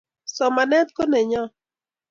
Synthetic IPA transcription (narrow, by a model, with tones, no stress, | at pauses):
sɔ˨ma˨nɛ˦t̪̚ko˦nɛ˨ɲɔ˦